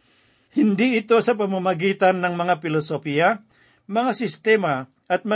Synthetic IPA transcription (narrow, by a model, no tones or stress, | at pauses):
hɪnd̪iɪt̪o̞sɐp̬ɐmamɐɡiːt̪anːɐŋmɐŋapɪlosopia | mɐŋasɪst̪ɛma | ʔɐt̪̚mɐ